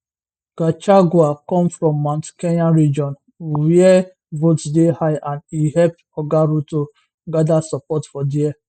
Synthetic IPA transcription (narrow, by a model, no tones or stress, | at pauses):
ɡ̥at͡ʃaɡwakɔ̃mfɾɔ̃mːãntkenaɹid͡ʒɔ̃n | wiɛ | votdehaɪʔãndihɛp̚tɔɡaɾuto | ɡadasɔpɔtfɔdiɛ